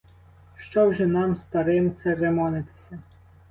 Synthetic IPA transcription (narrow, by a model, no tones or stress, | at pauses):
ʃt͡ʃɔwʒɛnɑmst̪ɐɾɪmt̪sɛɾemɔnɪt̪ɪ̥sʲɐ